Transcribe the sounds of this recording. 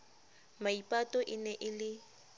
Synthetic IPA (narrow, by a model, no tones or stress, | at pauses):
maipʼatʼɔʔɪnɛʔɪlɪ